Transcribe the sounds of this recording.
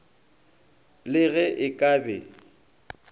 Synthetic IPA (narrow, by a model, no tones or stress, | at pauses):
lɪɣɛʔɪkʼaːbɛ